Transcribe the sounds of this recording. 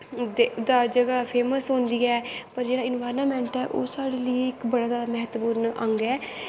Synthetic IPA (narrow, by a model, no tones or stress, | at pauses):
d̪ed̪aːd͡ʒəɡaːpʰeːməsɦʊ̃nd̪iːɛːpəɾd͡ʒeːɽaːɪnʋaːɾnaːmɛ̃ːɳʈɛːʔo̰ːsaːɽeːləiɪkbəɽaːd̪aːmɛɦət̪buːɾnʔəŋɡɛː